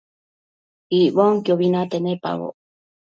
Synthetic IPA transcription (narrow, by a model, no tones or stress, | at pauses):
iʔβoŋkjoβinat̪enepa̰ɣo̰